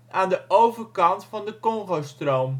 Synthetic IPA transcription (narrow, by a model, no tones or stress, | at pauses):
ʔaːndəʔowvərkɑntfɑndəkɔŋχowstrowm